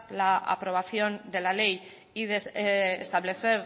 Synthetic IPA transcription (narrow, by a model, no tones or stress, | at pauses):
laʔa̰pɾo̞β̞aθjo̞nd̪e̞lale̞j | iðesest̪aβle̞θe̞ɾ